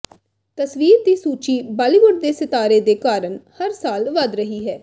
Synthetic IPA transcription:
t̪əsʋiːɾd̪iːsuːt͡ʃiːbaːliɡʊɖd̪eːsɪt̪aːɾeːd̪eːkaːɾənhəɾsaːlʋəd̪ɾəɦiːɦɛː

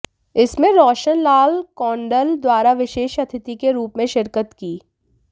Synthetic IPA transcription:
ɪsmẽɾɔːʃənlaːlkɔːɳɖəld̪waːɾaʋɪʃeːʃɐt̪ʰɪt̪ikeɾuːpmẽʃɪɾkət̪kiː

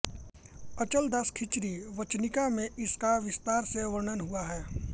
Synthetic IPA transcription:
ɐt͡ʃəld̪ɐskʰɪt͡ʃɾiʋət͡ʃnɪkamẽʔɪskaʋɪst̪aːɾseʋəɾɳənɦuaɦɛː

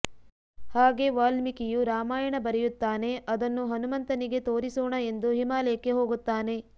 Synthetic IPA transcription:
haːɡe̞ːʋaːlmikijuɾaːmaːjɐɳɐbɐɾɛjut̪ːaːne̞ɐd̪ɐnːuɦɐnumɐnt̪ɐniɡe̞t̪o̞ːɾisoːɳɐe̞nd̪uɦimaːlɐjɐkːe̞ɦo̞ːɡut̪ːaːne̞

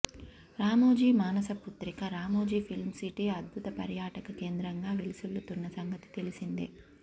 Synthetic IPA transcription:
ɾaːmoːd͡ʒiːmaːnɐsɐput̪ɾikɐɾaːmoːd͡ʒiːpʰilmsiʈiɐd̪̚bʱut̪ɐpɐ̰ɾjaːʈɐkɐke̞ːnd̪ɾɐŋɡaːʋilisulːut̪unːɐsɐŋɡɐt̪i̥t̪elisind̪ḭ

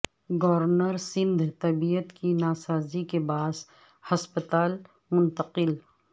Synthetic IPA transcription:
ɡɔɾɾnəɾsɪ̃nd̪ʱt̪ɐbijət̪kinaːsaːzikebaːs | hɐspət̪aːl | mʊ̃nt̪əqɪl

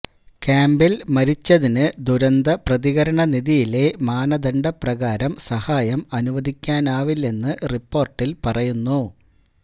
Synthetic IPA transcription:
kaːmbilmɐɾit͡ɕːɐðinɨd̪uɾɐnd̪ɐprɐðiɣɐɾɐɳɐniðijile̞maːnɐd̪ɐɳɖɐprɐɣaːɾɐmsɐhaːjɐmɐnuʋɐd̪ʱikʲːaːnaːʋilːe̞nːɨripːo̞ːrʈːilpɐrɐjunːu

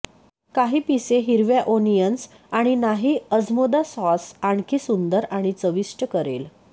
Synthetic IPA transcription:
kaɦiːpiseɦiɾʋjaʔonijəns | aɽ̃inaɦiːəd͡zmod̪asɔsaɳkʰiːsund̪əɾaɽ̃it͡səʋiʂʈəkəɾḛl

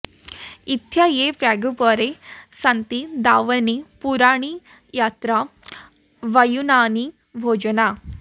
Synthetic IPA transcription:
it̪jɐjepɾaːɡupɔɾesɐnt̪id̪aːʋɐnipuɾaːɳ̃i | jat̪ɾɐ | ʋɐjunaːni | bʱoːd͡ʒɐna

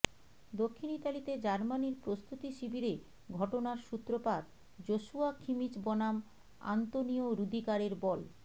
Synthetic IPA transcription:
d̪okʰːinit̪alit̪ed͡ʑaɾmaniɾpɾost̪ut̪iʃibiɾe | ɡʱɔʈonaɾʃut̪ːɾopad̪ | d͡ʑoʃuakʰimit͡ɕbɔnam | a̰nt̪onioɾud̪ʱikaɾeɾbɔl

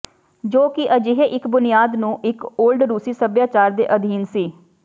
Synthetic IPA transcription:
d͡ʒoːkɪʔəd͡ʒɪɦeʔɪkbʊnɪjaːd̪nũːʔɪkoːlɖɾuːsiːsəbjaːt͡ʃaːɾd̪ḛːʔəd̪ʱiːnsiː

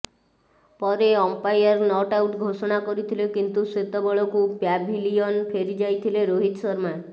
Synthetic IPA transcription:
pɔɾeɔmpajaɾnɔʈawʈɡʱoʃɔɽ̃akɔɾit̪ʰilekint̪uset̪ɔbɔɭɔkupabʱiliɔnpʰeɾid͡ʒajt̪ʰileɾoɦit̪sɔɾmae

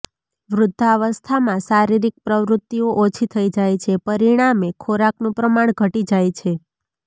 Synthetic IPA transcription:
ʋɾʊd̪ʱːaʋəst̪ʰamãsaɾiɾik̚pɾəʋɾʊt̪ːioʔot͡ʃʰit̪ʰəid͡ʒajt͡ʃʰepəɾiɽ̃amekʰoɾaknũpɾəmaɳ̃ɡʱəʈid͡ʒajt͡ʃʰe

